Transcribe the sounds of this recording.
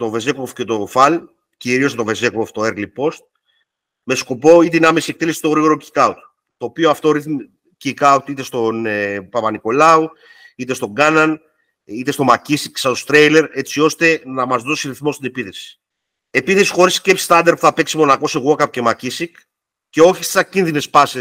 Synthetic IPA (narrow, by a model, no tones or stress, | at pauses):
t̪o̞ve̞zekofce̞t̪o̞fɐl | ciɾios̬t̪o̞ve̞zekoft̪oeɾlipo̞st̪̚ | me̞sko̞po̞it̪einɐmesie̞k̚t̪elesi̥t̪o̞ɣɾiɣo̞ɾo̞ci̥kɐut̪ | t̪o̞ːpio̞ɐft̪o̞ɾiθm | cikɐut̪it̪e̞st̪o̞npɐpɐniko̞lɐu | it̪est̪o̞ŋɡɐnɐn | it̪est̪o̞macisiksɐt̪ost̪ɾejle̞ɾe̞t͡sio̞st̪e̞nɐmɐzðo̞siɾiθmo̞st̪ine̞piθe̞si̥ | e̞piθe̞si̥xo̞ɾiscepsist̪ɐnd̪eɾpuθɐpe̞ksimo̞nɐko̞seɣokɐpo̥ce̞macisik | ce̞o̞çi̥st̪isɐcinðine̞spɐse